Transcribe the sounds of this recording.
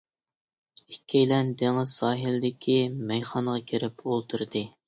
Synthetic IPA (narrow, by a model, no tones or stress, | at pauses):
ikʲʰːejlɛnd̪eŋɪz̥sɑːɦild̪ɪkʲʰimɛjχɑɴʁɑkʲʰeɾɪpolˠt̪ʰuɾd̪ɨ